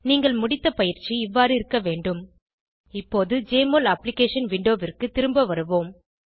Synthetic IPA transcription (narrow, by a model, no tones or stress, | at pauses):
niːŋɡɐɭmʊɽɪt̪ːɐpɐjɪɾt͡ʃːiɪʋːaːɾɯɪɾɯkːɐʋeːɳɖɯm | ɪpːoːðɯd͡ʒeːmoːlɐpːlɪkeːʂɐnʋɪɳɖoːʋɪrkɯt̪ːɪɾɯmbɐʋɐɾɯʋoːm